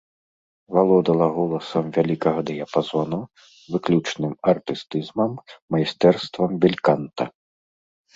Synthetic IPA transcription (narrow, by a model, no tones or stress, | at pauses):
valˠɔd̪ɐlˠɐɣɔlˠɐsɐmvʲalʲikɐɣɐd̪ɨjapazɔnu | vɨklʲut͡ʂnɨmɐrt̪ɨst̪ɨzmɐmːɐjist̪ɛrst̪vɐmbʲilʲkant̪ɐ